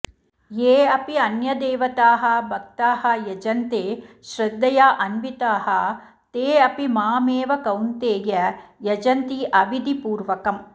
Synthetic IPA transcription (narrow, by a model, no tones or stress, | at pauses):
jeːɐpiɐnjɐd̪eːʋɐt̪aːɦɐ̆bʱɐk̚t̪aːɦɐ̆jɐd͡ʒɐnt̪eːʃɾɐd̪ːɐjaːʔɐnʋit̪aːɦɐ̆ | t̪eːɐpimaːmeːʋɐkɐwnt̪eːjɐjɐd͡ʒɐnt̪iʔɐʋid̪ʱipuːɾʋɐkɐm